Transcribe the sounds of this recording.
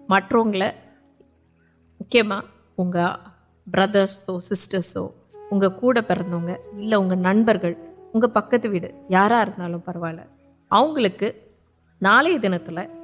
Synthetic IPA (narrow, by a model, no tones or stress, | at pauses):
mɐʈroːŋɡɐɭɐ | mʊkːɪjɐmaː | ʊŋɡɐ | bɾɐðɐɾsoːsɪsʈɐɾso̰ː | ʊŋɡɐkuːɽɐpɛɾɐnd̪oːŋɡɐɪlːɐʊŋɡɐnɐɳbɐɾɣɐɭʊŋɡɐpɐkːɐt̪ːɯʋiːɽɯ̰jaːɾaːɪɾɯnd̪aːlʊ̃mpɐɾɐʋaːlɐ̰ | ɐʋɐŋɡɐɭɯkːɯ | naːleːðɪnɐt̪ːɪlɐ